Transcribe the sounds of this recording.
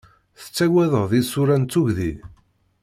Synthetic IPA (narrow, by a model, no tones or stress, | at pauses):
θə̥t͡sːæwæðəʁðisuɾænt͡sːʊʝði